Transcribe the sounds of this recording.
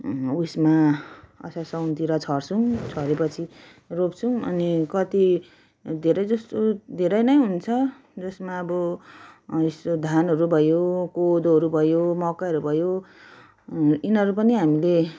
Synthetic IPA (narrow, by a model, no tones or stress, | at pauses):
usmaʌ̰sasʌwnt̪iɾʌt͡sʰʌrt͡sʰuŋt͡sʰʌɾepʌt͡sʰi | ropt͡sʰuŋʌ̰nikʌt̪i | d̪ʱeɾʌjd͡zʌst̪od̪ʱeɾʌjnʌjɦunt͡sʰʌ | d͡zʌsmaːbʌ | est̪od̪ʱanʌɾubʱʌjokod̪ɦʌɾubʱʌjomʌkaʌɾubʱʌjo | inʌɾupʌniɦamile